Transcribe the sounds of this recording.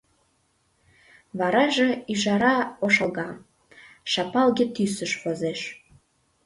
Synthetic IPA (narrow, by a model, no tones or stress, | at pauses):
vɑɾɑʒĕiʒɑɾɑoʃɑlˠɣɑ | ʃɑpɑlɡʲet̪ysəʃχozeʃ